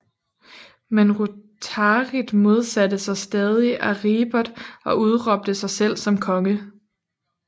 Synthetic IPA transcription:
menʁut͡sʰɑʁid̥mo̝ð̞ˠsædəsɑ̈ɪsd̥ɛːð̞ˠiʔæʁiːb̥ɐd̥ˠɒ̽ʔuð̞ˠʁɒ̽b̥̚d̥əsɑ̈ɪsel̰sɒ̽mkʰɒ̽ŋə

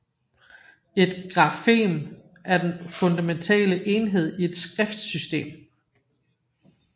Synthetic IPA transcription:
e̝d̥ɡ̥ʁɑ̈fe̝̰ːm | ʔæɐd̥enfɔ̽nd̥æment͡sʰɛ̰ːləʔe̝ːnɦe̝ð̞̰ˠie̝d̥sɡ̥ʁɛfd̥sysd̥e̝̰ːm

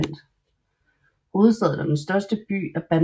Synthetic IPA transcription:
n̰d̥ | ho̝ːð̩ˠsɛ̰ðˠd̥ɑd̥ensd̥ɶɐsd̥əb̥y̰ːæb̥æn

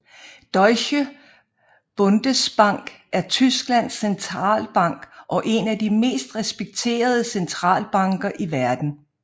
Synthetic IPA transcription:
d̥ɒɪɕə | b̥ɔ̽nd̥əsb̥ɑ̈ŋ̰ɡ̥æɐt͡sʰysɡ̥læn̰sːent͡sʰʁɑ̰̈ːlb̥ɑ̈ŋ̰ɡ̥ʔɒ̽ʔe̝næd̥ime̝̰ːsd̥ʁɛsb̥eɡ̥̚t͡sʰe̝̰ːɐð̞ˠəsent͡sʰʁɑ̰̈ːlb̥ɑ̈ŋɡ̥ɐʔiʋæɐd̥n̩

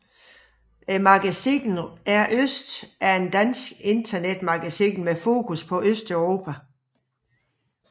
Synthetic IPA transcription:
mɑ̈ɡ̥æsḭnn̩æɐʔøsd̥æɐe̝nd̥æn̰sɡ̥e̝nd̥ʰɐned̥mɑ̈ɡ̥æsinmefo̝̰ːkʰuspʰɒ̽ʔøsd̥œʊʁo̝ːpʰæ

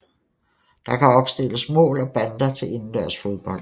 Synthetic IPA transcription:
d̥ɑ̈kʰæɒ̽b̥sd̥e̝ləsmɔ̰̽ːlɒ̽b̥ænd̥ɐt͡sʰe̝le̝nn̩d̥æɐsfo̝ð̞ˠb̥ɒ̽l̰d̥

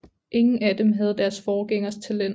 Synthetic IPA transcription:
ʔe̝ŋn̩æd̥emɦæð̞̩ˠd̥æɐsfɒːɡ̥eŋ̰ɐst͡sʰælen̰

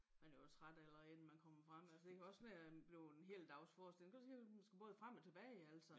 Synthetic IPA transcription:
mænjosʰʁad̥elɐen̥̩mænkʰɒ̽m̰ɐfʁam̰ælsəd̥e̝kʰæɒ̽snæb̥le̝ʊenɦe̝̰ːld̥ɑ̈ʊsfɒːsd̥elŋkʰu̥siːmænsɡ̥æb̥ɔ̽ːðˠfʁam̰ɒt͡sʰe̝b̥ɛːɪæl̰sɒ

